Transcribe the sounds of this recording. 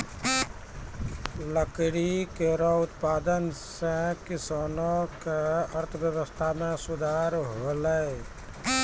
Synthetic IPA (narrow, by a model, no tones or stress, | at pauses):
ləkɽikeɾɔut̪pad̪ənsẽkisanɔkeəɾt̪ʰəbjəβəst̪ʰamesud̪ʱaɾɦolə